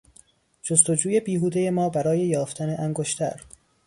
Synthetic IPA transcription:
d͡ʒost̪o̞d͡ʒuːje̞biːɦuːd̪eje̞mɒːbæɾɒːje̞jɒːft̪ʰæne̞ʔæŋɡoʃt̪ʰæ̰ɾ

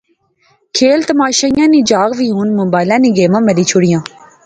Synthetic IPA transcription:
kʰeːlt̪əmaːʃaːijãːniːd͡ʒaːɣʋiːɦuːnmʊbaːɪlãːniːɡeːmãːməliːt͡ʃʰʊɽɪjãː

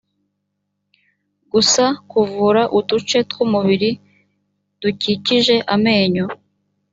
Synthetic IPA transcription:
ɡusakuvuɾaʔutut͡ʃe̞tkumuβiɾi | d̥uciciʒe̞ʔame̞ːɲo

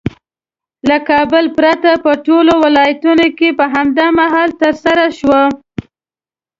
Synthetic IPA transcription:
lakɑbəlpɾat̪apəʈolowɪlɑjat̪unokepəɦamd̪ɑmaɦɑlt̪əɾsaɾaʃwa

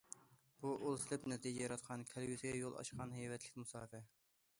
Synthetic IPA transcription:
b̥uʔolˠslˠɪpnɛt̪id͡ʒɛjɑɾɑt̪qʰɑnkʲʰɛlɡyt̪ɪɡʲɛjolˠɑ̰ʃqɑnhejvɛt̪ʰlɪ̥kʲmusɑːfɛ

